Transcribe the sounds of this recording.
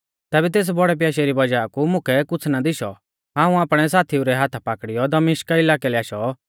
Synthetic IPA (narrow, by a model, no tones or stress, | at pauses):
t̪ɛːbɛt̪̬eːs̬bɔɽɛp̬jaːʃɛɾibɐd͡ʒaːkumʊ̃kʰɛkʊt͡sʰnad̪ɪʃɔ̰ | ãːũaːpɽ̃ɛsaːt̪ʰiuɾɛɦaːt̪ʰapaːkɽɪjɔd̪ɐmɪʃkaɪlaːkɛlɛaːʃɔ